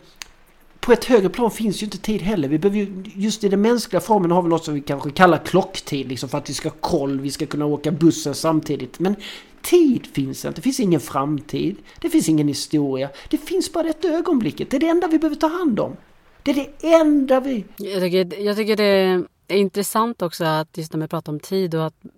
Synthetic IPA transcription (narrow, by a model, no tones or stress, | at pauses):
pʰɔɛt̪høːɡɾəpʰlɑːnfɪnsdɛjʏɪnt̪ət̪ʰiːd̪ɦɛlːəɾvɪbɛhøːvəjɵjɵst̪ɪd̪ɛnmɛnsklɪɡafɔɾmənhaɾvɪlnɔt̪ːsɔmvɪkʰanɧəkʰalːaɾkʰlɔkːt̪ʰiːd̪lɪksɔmfœɾat̪vɪskahɑkʰɔlːvɪskakʰɵnːaoːkabɵsːənsamt̪ʰiːd̪ɪt̪mɛn | t̪ʰiːd̪fɪnsd̪ɛ̰nɛfɪnsɪŋːənfɾamt̪ʰiːd̪d̪̥ɛfɪnsɪŋːənhɪst̪uːɾɪad̪̥ɛfɪnsbɑːɾad̪ɛt̪ːaøːɡɔnblɪkːət̪d̪ɛæɖɛɛnd̪avɪbəøːvəɾt̪ʰɑːhand̪ɔ̰m | d̪̥ɛæɖɛɛnd̪avɪjɑːt̪ʏkːəjɑːɡt̪ʰʏkːəɖɛ | æɾɪnt̪ɾɛsant̪ɔksɔat̪jɵst̪næɾvɪpʰɾɑːt̪aɾɔmt̪ʰiːd̪ɔat̪